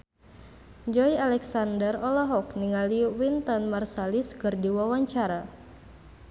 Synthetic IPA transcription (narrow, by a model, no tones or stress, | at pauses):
d͡ʒɔjalɛksandərɔlaɦɔkniŋaliwint̪ɔnmarsaliskɨrdiwawaɲt͡ʃaɾa